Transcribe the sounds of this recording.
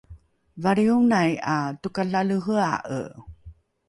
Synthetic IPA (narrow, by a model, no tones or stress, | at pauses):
vaɾiuŋnajatukaɬaləɦəa̰ʔə̰